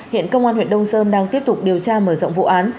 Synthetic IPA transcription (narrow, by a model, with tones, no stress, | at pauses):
hḭ˧˨ənkə˧wŋ͡mʔaː˧nhwḭ˧˨ənɗə˧wŋ͡msəː˧mɗaː˧ŋt̪i˦˥əp̚t̪ʊ˨˩k͡p̚ɗi˨˩əwt͡ɕaː˧məː˧˩z̰wŋ͡mvṵ˧˨ʔaː˨˦n